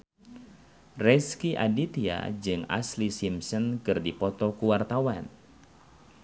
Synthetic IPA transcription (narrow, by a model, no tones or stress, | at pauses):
rɛskiʔadit̪ia̰d͡ʒɨŋa̰slisimsənkɨrdipɔt̪ɔkuwart̪awan